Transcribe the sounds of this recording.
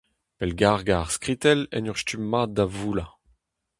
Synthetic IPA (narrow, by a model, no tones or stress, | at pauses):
pɛlɡaʁɡaʁskʁit̪ɛlɛ̰nyʁstymːad̪avuːla